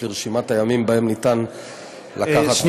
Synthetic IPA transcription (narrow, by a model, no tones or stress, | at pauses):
liʁʃimat̪ajamimbahe̞mnit̪an | lakaχat̪